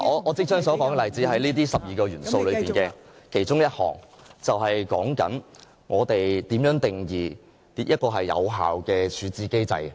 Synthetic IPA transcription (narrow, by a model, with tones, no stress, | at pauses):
ʔɔː˨˧ʔɔː˨˧t͡sɪ˥k̚t͡ʃœː˥ŋsɔː˨˥kɔː˨˥ŋɛ˨lɐ˨˩jt͡siː˨˥ɦɐ˨˥jliː˥t̪iː˥sɐ˨p̚jiː˨kɔː˧jyː˨˩nso˧wlɵ˨˧iː˨n˨kɛː˧kʰe˨˩jt͡ʃʊ˥ŋjɐ˥t̚hɔ̰ː˨˩ŋt͡sɐ˨wɦɐ˨jkɔ̰ː˨˥ŋkɐ̰˨˥n | ŋɔː˨˧t̪e˨jt̪iː˨˥mjœː˨˥ŋt̪ɪ˨ŋjiː˨ | t̪i˧˥jɐ˥t̚kɔː˧ɦɐ˨jːɐ̰˨˧wɦa̰ː˨wkɛː˧t͡ʃʰyː˨˧t͡siː˨˧ke˥jt͡sɐ̰˧j